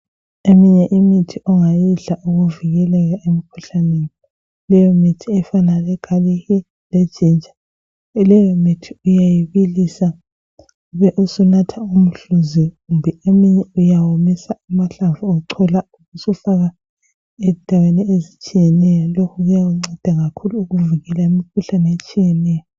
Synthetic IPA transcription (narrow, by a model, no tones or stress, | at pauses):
emiɲɛʔimitʰiʔɔŋajiɮaʔuɣuviɣɛlɛɣaʔemikʰuɬaneni | lɛjɔmitʰiɛfanalɛɡ̥ʱalihi | lɛd̥ʒ̥ʱind͡ʒʱa | lɛjɔmitʰiujajiβilisa | uβɛʔusunatʰaum̩ɬuziɣumbʱɛemiɲɛujawomisaumaɬavuɔǀʰɔlauɣusufaɣa | ɛndʱaweniezit͡ʃʼijɛnɛjɔlokʰuɣawuŋ͡ǀɛd̥ʱaɣakʰuluːɣuviɣɛlaimikʰuɬanɛet͡ʃʼijɛnɛːjɔ